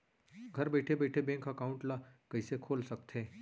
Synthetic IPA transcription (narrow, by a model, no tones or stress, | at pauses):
ɡʱɐɾbɛːʈʰebɛːʈʰebɛ̃ːŋkɐkaːʊ̃ɳʈlakəisekʰoːlsɐk̚t̪ɦẽː